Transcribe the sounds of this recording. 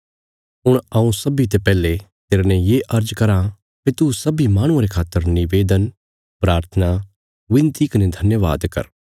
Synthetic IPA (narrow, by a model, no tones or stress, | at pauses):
ɦʊɽ̃ɐũsɐbit̪̬ɛpɛːlet̪eːɾnɛ̃jeʔɐɾd͡ʒkɐɾa | kit̪ʊsɐbimaːɽ̃ʊ̃ãɾekʰaːt̪ːəɾnɪʋeːd̪ən | pɾaːɾt̪ʰəna | ʋɪ̃nt̪ikɐned̪ʱɐnjəʋa̰ːd̪kɐ̰ɾ